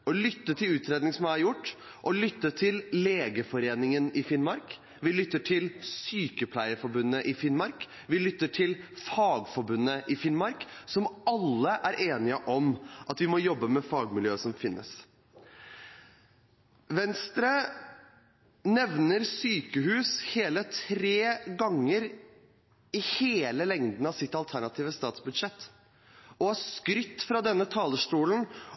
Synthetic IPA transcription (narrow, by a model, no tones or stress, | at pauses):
ɔlʏt̪ːət̪ʰɪlʉːt̪ɾeːd̪nɪŋsɔmææɾjʊʈː | ʔɔlʏt̪ːət̪ʰɪlleːɡəfɔɾeːnɪŋənɪfɪnmɑɾk | ʋɪlʏt̪ːəʈʰɪlsyːkəpʰlæɪəfɔɾbʉnːəʔɪfɪnmɑɾk | ʋɪlʏt̪ːəʈʰɪlfɑːɡfɔɾbʉnːəʔɪfɪnmɑɾksɔmɑlːəʔæɾʔeːnɪəʔɔmʔɑt̪ʋɪmɔjɔbːəmɛfɑːɡmɪljøːəsɔmfɪnːə̰s | ʋɛnst̪ɾə | nɛʋnəɾsyːkəɦʉːsheːlət̪ʰɾeːɡɑŋːəɾ | ɪheːləlɛŋd̪n̩ɑʋsɪt̪ːɑlt̪ʰæɳɑt̪ʰiːʋəst̪ɑːt̪sbʉd̪ʂɛt̪ː | ɔæskɾʏt̪ːfɾɑd̪ɛnːət̪ʰɑːləʂʈuːln̩